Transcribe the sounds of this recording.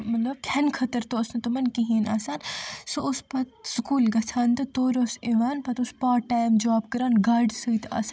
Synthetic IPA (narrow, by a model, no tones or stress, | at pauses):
mɐt̪lɐb̚kʰɐnkʰɐt̪ɐɾt̪oɐsnɐt̪omɐnkiɦiːnaːsaːnsoʊspɐt̪skuːlɡɐt͡sʰaːnt̪ɐt̪oːɾoːseʋaːnpɐt̪ʊspaːʈaːjmd͡ʒaːbkɐɾaːnɡaːɖsəit̪a̰s